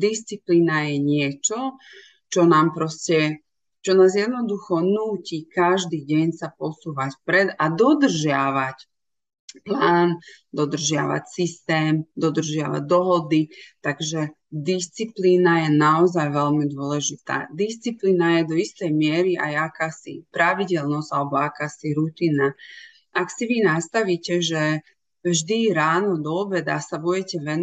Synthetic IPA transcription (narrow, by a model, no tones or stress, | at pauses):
d̪ist͡sipliːnajɛɲɪɛt͡ʃɔ | t͡ʃɔnaːmpɾɔscɛ | t͡ʃɔnaːzjɛd̪nɔd̪uxɔnuːcikaʒd̪iːɟɛɲsapɔsuːʋacfpɾɛd̪ad̪ɔd̪r̩ʒɪaʋac | plaːnd̪ɔd̪r̩ʒɪa̰ʋa̰csist̪ɛːmd̪ɔd̪r̩ʒɪaʋa̰ɟ̚d̪ɔɦɔd̪it̪aɡʒɛ | d̪ist͡sipliːnajɛnaɔzajʋɛʎmid̪ʊɔlɛʒit̪a̰ːd̪ist͡sipliːnajɛd̪ɔist̪ɛjmɪɛɾiʔa̰jakaːsḭpɾaʋiɟɛlnɔz̥alɛbɔakaːsiɾut̪iːna | aksiʋinast̪aʋiːcɛʒɛ | vʒd̪iɾaːnɔd̪ɔːbɛd̪asabuɟɛcɛʋɛn